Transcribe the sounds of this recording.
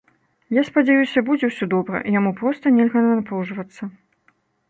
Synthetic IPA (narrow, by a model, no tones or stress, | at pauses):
jaspad͡zʲɛjusʲɐbud͡zʲɛwsʲɔd̪ɔbɾɐ̰ʔijamupɾɔst̪ɐnʲɛlʲɣɐnɐnapɾuʐvɐt̪sːɐ